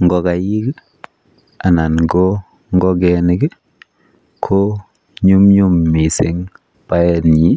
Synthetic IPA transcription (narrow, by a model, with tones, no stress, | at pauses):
ŋɡɔ˦ka˨ji˦k | a˨na˨nɡo˦ | ŋɡɔ˦ɡɛ˨ni˦ɡe˦ | kʰo˦ | ɲu˦mɲu˦mːi˨si˦ŋ | pa˦ɛ˦˨nɲi˦